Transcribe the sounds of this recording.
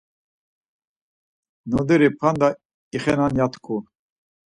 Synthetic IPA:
nɔd̪ɛɾipʰand̪a | iχɛnanjat̪ʰkʰu

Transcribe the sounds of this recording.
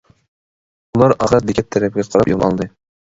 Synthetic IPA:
ulˠɑɾɑʁɾɑt̪d̪ɪkʲʰɛt̚t̪ʰːɛɾɛpɪɡʲɛqʰɑɾɑpjomˠɑlˠd̪ɨ

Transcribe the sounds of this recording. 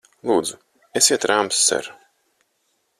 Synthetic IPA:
lˠuːd̪zu | esiɛt̪ɾampsːɛ̰ɾ

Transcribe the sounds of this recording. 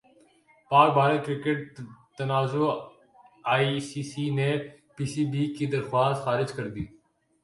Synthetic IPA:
paːk̚bʱaːɾəlkɾɪkeʈ̚t̪ənaːzo | aːisiːsiːneːpiːsiːbiːkid̪əɾxwaːst̪xaːɾɪd͡ʒkəɾd̪iː

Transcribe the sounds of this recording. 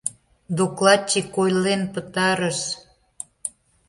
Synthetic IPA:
d̪oklˠɑt͡ɕːikojlenpət̪ɑɾəʃ

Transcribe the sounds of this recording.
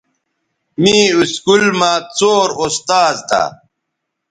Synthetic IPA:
mĩːuskulmãːt͡soːɾost̪aːzt̪ʰa̰

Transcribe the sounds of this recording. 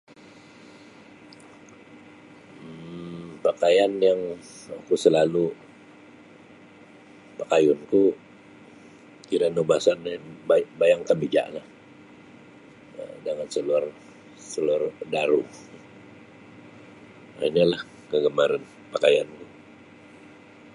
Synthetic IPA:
pakajanjaŋ | akusəlalu | pakajʊnku | kiɾanobasanbabajaŋkambid͡ʒa̰ʔlah | ə̰daŋansəlar | səlardaɾu | a̰iɲalah | kəɡəmaɾan | pakajanku

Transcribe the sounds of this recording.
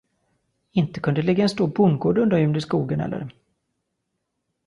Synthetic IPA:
ɪnt̪ə̥kʰɵnd̪əlɪɡaɛnst̪oːɾbʊŋɡoːɖɵnd̪əɾjʏmd̪ɪskuːɡənɛ̰lːə̰ɾ

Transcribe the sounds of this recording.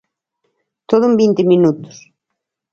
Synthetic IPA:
t̪oðʊmbint̪ɪmĩnut̪ʊ̥s

